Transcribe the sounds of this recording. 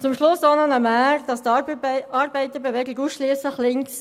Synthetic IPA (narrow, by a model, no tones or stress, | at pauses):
t͡sʊmʃlʊsonənəmæɾd̥ɑst̪ʔɑːɾbɛɪt̪əɾbevɛɡɪɡuːsʃliəsləχlɪŋks